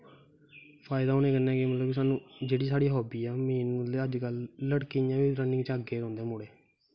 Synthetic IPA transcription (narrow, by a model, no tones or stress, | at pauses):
pʰaːɪd̪aːoːnẽːkənːɛ̃ːkemət̪ləbis̬aːnũːd͡ʒeːɽiːsaːɽiːɦoːbiːaːmeːnũːd̪eəd͡ʒkəlləɽkijãːʋiːɾənːɪ̃ŋt͡ʃəɡeːɾɔ̃ːnd̪ẽːmʊːɽeː